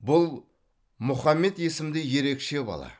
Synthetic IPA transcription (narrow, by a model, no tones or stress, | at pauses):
bʊlˠ | mʊχɑmːe̞t̪je̞sɪmd̪ɪje̞ɾe̞kʃe̞bɑ̰lˠɑ̰